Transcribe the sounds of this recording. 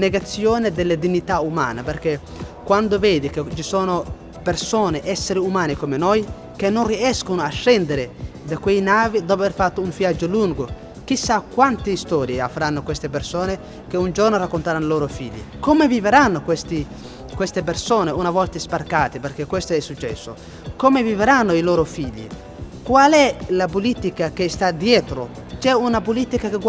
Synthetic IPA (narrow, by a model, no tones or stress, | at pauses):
neɡat̪sːjoːned̪elːed̪inːit̪aumaːnaperk̟e | kwand̪oveːd̪ik̟et͡ʃisoːno | persoːneʔɛsːeɾiumaːnikomenoj | kenːonriɛskonoaʃːɛnd̪eɾed̪akwejnaːvid̪op̬averfat̪ːouɱvjad͡ʒːoluŋɡo | k̟isːakwant̪ist̪ɔːɾjeavːɾanːokwest̪ep̬ersoːne | keund͡ʒornoɾakːont̪aɾanːoloːɾofiʎːḭkomeviveɾanːokwest̪i | kwest̪ep̬ersoːneunavɔlt̪aesparkaːt̪eperk̟ekːwest̪oɛsːut͡ʃːɛ̰sːo̰ | komeviveɾanːoiloːɾofiʎːḭ | kwalɛlapolit̪ikak̟est̪ad̪jɛːt̪ɾo | t͡ʃɛunap̬olit̪ikakeɡ